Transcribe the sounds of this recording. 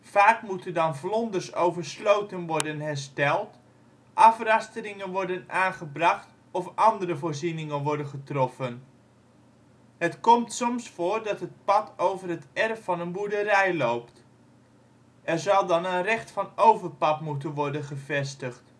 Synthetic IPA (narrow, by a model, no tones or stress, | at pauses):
faːkmutəndɑnvlɔndərsowvərslowtənʋɔɹdənɦɛrstɛlˠt | ʔɑfrɑstərɪŋənʋɔɹdənaːnχəbrɑχt | ɔfʔɑndəɾəvoːɹzinɪŋənʋɔɹdənχətrɔfən | ɦətkɔmtsɔmsfoːɹdɑtɦət̚pɑtowvərɦətɛrfːɑnənbuɹdərɛjlowpt | ɛɹzɑlˠdɑnənrɛχtfɑnowvərpɑtmutənʋɔɹdənχəvɛstəχt